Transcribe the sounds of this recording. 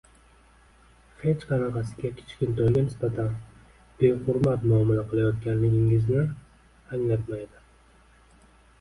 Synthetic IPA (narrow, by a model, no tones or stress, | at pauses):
he̞t͡ʃqʰɑnɑqʰɑsɪ̥ɡʲakʲʰe̥t͡ʃkʲɪnt̪ʰolɡʲanɪsbat̪ʰan | b̥eχʊɾmat̪mʊamɪlaqʰɨlˠajɒt̪̚ɡʲanːɪɡʲɪŋɪznɪ | aŋlat̪majd̪ɪ